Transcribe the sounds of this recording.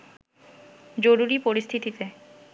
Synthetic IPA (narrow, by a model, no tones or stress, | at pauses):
d͡ʑoɾuɾipoɾist̪ʰit̪it̪e